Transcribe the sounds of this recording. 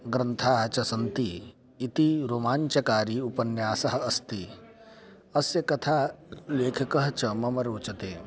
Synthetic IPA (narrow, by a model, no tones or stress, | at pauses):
ɡɾɐnt̪ʰaːɦɐt͡ʃɐsɐnt̪iː | t̪iɾoːmaːɲt͡ʃɐkaːɾiːupɐnjaːsɐɦɐɐst̪i | ɐsjɐkɐt̪ʰaːleːkʰɐkɐɦɐt͡ʃɐmɐmɐɾoːt͡ʃɐt̪eː